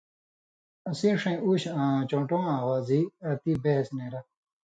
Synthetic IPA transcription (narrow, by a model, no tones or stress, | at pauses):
ɐsĩːʂɐ̃uːɕãːt͡ɕõːʈõːãːwaːziɐt̪ibesneːɾɐ